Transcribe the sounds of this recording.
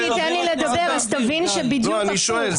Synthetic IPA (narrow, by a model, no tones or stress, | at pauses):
it̪ɛnliled̪abeʁazt̪avinʃebid̪juaniʃoel